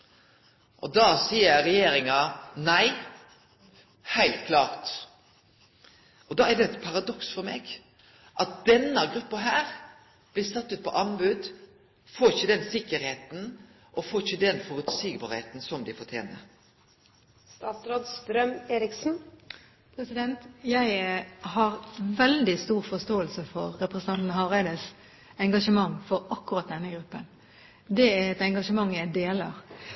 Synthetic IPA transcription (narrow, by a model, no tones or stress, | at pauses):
ʔɔd̪ɑːsiːəɾɛjeːɾɪŋɑnæɪ | hæɪlt̪kʰlɑːɾt̪ | ɔd̪ɑːæɾd̪ɛɛt̪pʰɑɾɑd̪ɔksfɔɾmeːɡ | ʔɑt̪̚d̪̥ɛnːɑɡɾʉpːɑɦæːɾ | b̥lɪːɾsɑt̪ːʉːt̪̚pʰɔʔɑnbʉd̪ | foːçəd̪ɛnsɪkːəɾheːt̪n̩ | ʔɔfoːçəd̪ɛnfɔɾʉt̪siːɡbɑːɾheːt̪n̩sɔmd̪ɪfɔt̪ʰjḛːnə̰ɾ | st̪ɑːt̪sɾoːd̪st̪ɾœmeːɾɪksn̩ | pʰɾɛsɪd̪ɛnt̪jæɪhɑɾʋɛld̪ɪst̪uːʁfɔst̪oːəlsəfɔʁːɛpɾəsənɑnt̪nəɦɑʋæɪd̪əs | ɛŋɡɑʂəmɑŋːfɔɾɑkːʊɾʁɑt̪̚d̪ɛnːəɡɾʉpːən | d̪ɛæɾɛt̪ɛŋɡɑʂəmɑŋːjæɪd̪eːləɾ